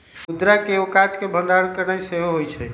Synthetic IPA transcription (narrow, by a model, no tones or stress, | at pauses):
mud̪ɾakeokat͡ʃkebʱənd̪aɽkəɾnajseɦoɦojt͡ʃʰɛ